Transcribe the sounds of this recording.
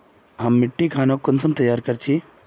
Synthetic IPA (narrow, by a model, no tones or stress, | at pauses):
ɦɐmːɪʈːikʰaːnokːʊnsəmt̪ɐjaːɾkɐɾt͡ʃʰi